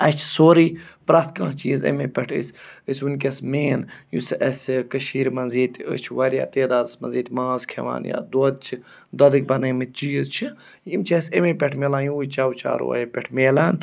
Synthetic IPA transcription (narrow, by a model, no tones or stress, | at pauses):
ɐt͡ʃʰi̥soːɾiːpɾaːt̪ʰkãːt͡ʃiːzḛmeːpʲɛʈʰɨ̰sʲɨsʲunkʲɐsmeːnjṵsʔɐsʲkɐʃiːɾmɐnziːt̪ʲə̰t͡ʃʰʋɐɾʲja̰ːt̪eːd̪aːd̪smɐ̰nziːt̪ʲmãːzkʰeʋa̰ːnja̰ːd̪oːd̪̚t͡ʃʰi | d̪ɐd̪ɨk̚ʲbɐnɐmit̪̚t͡ʃiːzt͡ʃʰi | jimt͡ʃʰɐsʲemeːpʲɛʈʰmeːlãːjũut͡ʃaːwt͡ʃa̰ːɾo̰ːɐ̰jepʲɛʈʰmeːlan